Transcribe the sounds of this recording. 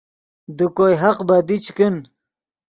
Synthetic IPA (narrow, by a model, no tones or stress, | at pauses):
d̪ukojɦaqbad̪it͡ɕʰkin